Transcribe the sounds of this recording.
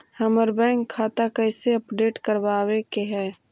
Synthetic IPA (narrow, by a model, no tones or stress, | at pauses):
həməɾbɛ̃ːŋkʰːaːt̪akəɪseəpɖeːʈkəɾwaːwekeɦɛː